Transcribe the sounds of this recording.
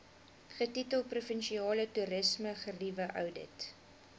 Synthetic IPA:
χətitəlˠprufənʃiɑːlətuɾəsməχərivəʔœ̰wdə̰t

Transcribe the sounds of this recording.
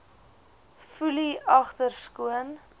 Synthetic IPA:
fuliɐχtərskuən

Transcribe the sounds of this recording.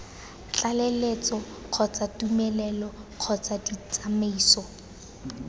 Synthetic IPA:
t͡ɬalelet͡sɔ | q͡χʰɔt͡satumɛlɛlɔq͡χʰɔt͡sadit͡sameiːsɔ

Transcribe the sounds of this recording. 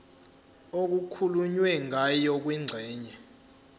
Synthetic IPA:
ok̬ukʰuluɲwɛŋʱajɔk̬wiŋ͡ǀʱɛːɲɛ

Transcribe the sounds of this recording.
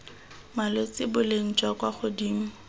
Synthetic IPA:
malot͡sʼɪbʊleŋ̩t͡ʃʼwakwaχʊdiːŋ̩

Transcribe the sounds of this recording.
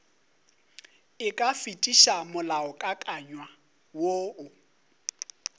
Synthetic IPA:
ɪkʼafitʼiʃamʊlaʊkʼakʼaɲwa | woʊ

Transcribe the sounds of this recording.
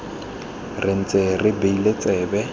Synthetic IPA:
rʔɪn̩t͡sʼerɪbeilet͡sʼɛːbɛ

